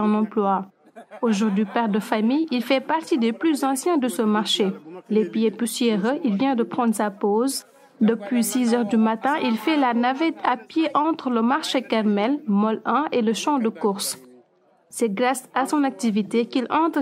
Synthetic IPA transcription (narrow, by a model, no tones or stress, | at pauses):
ɔ̃nɑ̃plwa | oʒuʁd̪ɥipɛʁd̪əfamijilfɛpaʁt̪id̪eplyzɑ̃sjɛ̃d̪əsəmaʁʃelepijepusjeʁəʔilvjɛ̃d̪əpχɑ̃d̪ʁsapoːz | d̪əpɥisizœʁd̪ymat̪ɛ̃ʔilfɛlanavɛt̪ʰapjeʔɑ̃t̪χləmaʁʃekaʁmɛlmɔlɛ̃ʔeləʃɑ̃d̪əkuʁs | sɛɡʁasasɔ̃nak̚t̪ivit̪ekilɑ̃t̪